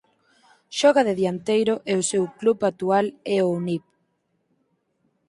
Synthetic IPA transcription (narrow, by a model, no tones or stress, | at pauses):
ʃɔɣ̞aðeðjant̪ejɾoʔɛosewklupat̪ualɛonip